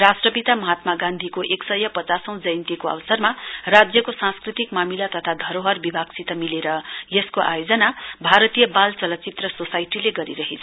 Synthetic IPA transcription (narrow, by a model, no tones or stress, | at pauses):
rasʈrʌpit̪amʌɦat̪maɡãnd̪ʱikoʔeksʌjʌpʌt͡sasʌ̃w̃d͡zʌjnt̪ikoʌ̰wsʌrmarad͡zjʌkosãskrit̪ikmamilat̪ʌt̪ʰad̪ʱʌɾoɦʌrbibʱaɡsit̪ʌmileɾʌjeskoʔa̰jod͡zʌnabʱaɾʌt̪ijʌbalt͡sʌlʌt͡sit̪rʌsosajʈileɡʌɾiɾʌɦet͡sʰʌ